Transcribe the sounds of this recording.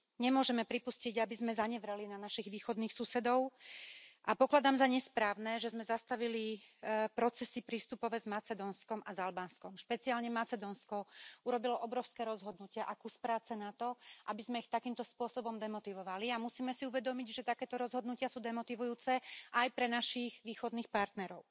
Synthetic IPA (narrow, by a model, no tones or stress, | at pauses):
ɲɛmʊɔʒɛmɛpɾipusciɟabizmɛzaɲɛʋɾɛlinanaʃiɣʋiːxɔd̪niːxsusɛd̪ɔʊ | ʔapɔklad̪aːmzaɲɛspɾaːʊnɛːʒɛzmɛzast̪aʋilipɾɔt͡sɛsipɾiːst̪upɔʋɛzmat͡sɛd̪ɔnskɔmazalbaːnskɔmʃpɛt͡siaːlɲɛmat͡sɛd̪ɔnskɔuɾɔbilɔʔɔbɾɔʊskɛːɾɔzɦɔd̪nucɪaʔakuspɾaːt͡sɛnat̪ɔʔabizmɛixt̪akiːmt̪ɔspʊɔsɔbɔmd̪ɛmɔt̪iʋɔʋaliamusiːmɛsiuʋɛd̪ɔmiɟʒɛt̪akɛːt̪ɔɾɔzɦɔd̪nucɪasuːd̪ɛmɔt̪iʋujuːt͡sɛʔajpɾɛnaʃiɣʋiːxɔd̪niːxpaɾt̪nɛɾɔʊ